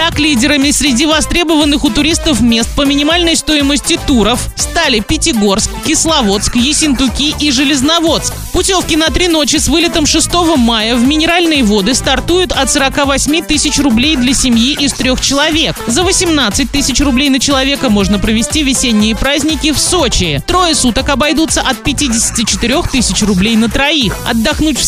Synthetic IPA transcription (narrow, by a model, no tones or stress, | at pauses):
t̪aklʲidʲɪɾəmʲɪsʲɾʲɪdʲivɐst̪ɾʲebəvənːɨxʊt̪ʊɾʲist̪əfmʲest̪̚pəmʲɪnʲɪmalʲnəjst̪o̞ɪməsʲtʲɪt̪uɾəfst̪alʲɪpʲɪtʲɪɡo̞rskkʲːɪslˠɐvo̞t̪skjɪsʲɪnt̪ʊkʲiʔiʐɨlʲɪznɐvo̞t̪skpʊtʲofkʲɪnɐt̪ɾʲino̞t͡ɕɪsvɨlʲɪt̪əmʂɨst̪o̞vəmajəvmʲɪnʲɪɾalʲnəjvo̞d̪ɨst̪ɐrt̪ujʊt̪ɐt̪səɾɐkavɐsʲmʲit̪ɨsʲɪt͡ɕrʊblʲejd̪lʲɐsʲɪmʲjiʔɪst̪ɾʲoxt͡ɕɪlˠɐvʲe̞kzəvəsʲɪmnat̪sɨt̚ʲt̪ɨsʲɪt͡ɕrʊblʲejnət͡ɕɪlˠɐvʲe̞kəmo̞ʐnəpɾəvʲɪsʲtʲivʲɪsʲenʲːɪjəpɾazʲnʲɪkʲɪfsot͡ɕɪt̪ɾo̞jəsut̪əkɐbɐjd̪ut̪səʔɐt̪̚pʲɪtʲidʲɪsʲɪ̥tʲɪt͡ɕɪ̥t̪ɪɾʲo̞xt̪ɨsʲɪt͡ɕrʊblʲejnət̪ɾɐixɐ̰d̪ːɐxnutʲf